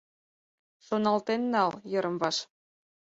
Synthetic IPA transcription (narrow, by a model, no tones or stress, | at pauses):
ʃonɑlt̪enːɑljɤ̆ɾɤ̆mβɑʃ